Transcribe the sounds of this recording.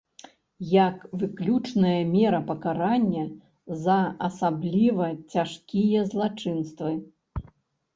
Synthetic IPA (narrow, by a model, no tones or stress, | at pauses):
jɐkvɨklʲut͡ʂnɐjɐmʲɛɾɐpɐkaɾanʲːɐ | zɐɐsablʲivɐt͡sʲaʂkʲijɐzlˠat͡ʂɨnst̪vɨ